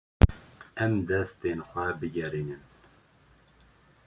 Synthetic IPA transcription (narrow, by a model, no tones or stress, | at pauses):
ɛmd̪ɛst̪eːnxʷɛbɨɡɛɾiːnɨn